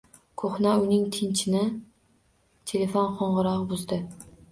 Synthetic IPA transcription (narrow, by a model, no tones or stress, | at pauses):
kʰoχnaʊnɪŋt̪ʰɪnt͡ʃʰɪnɪ | t̪ʰelʲefonqʰoɴʁɨɾɒʁbʊzd̪ɪ